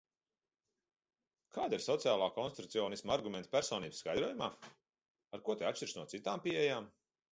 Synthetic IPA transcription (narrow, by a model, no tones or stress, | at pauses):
kaːd̪iɾsɔt̪siaːlˠaːkɔnst̪it̪u̥t̪siɔːnismaɾɡumʲent̪pʲæɾsɔːniːbsːkajd̪ɾuɔjumaː | aɾkuɔt̪ɛat͡ʃʃt͡ʃiɾsnuɔtsit̪aːmpiejaːm